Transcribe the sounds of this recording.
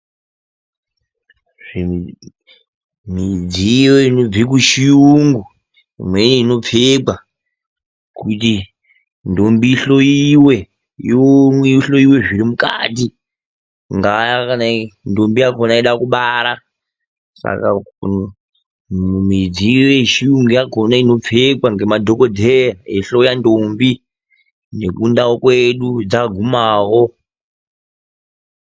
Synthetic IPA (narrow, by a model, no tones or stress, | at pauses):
ʐi | mid͡zijoino̞d͡zik̬uʃijuŋɡu | ḭmweneino̞p͡feka | kuti | ndombiɬo̞iwe̞ | iomweiɬo̞iwe̞ʐiɾimuka̰ːti | ŋɡajakanandombiakonaiɗakuɓaɾa | sa̰ka | umid͡ziwet͡ʃiuŋɡejakonaino̞fekwaŋɡe̞madʱo̞kodʱejaeɬo̞jandombi | ne̞kundawokweɗud͡zaɡʱumaːwo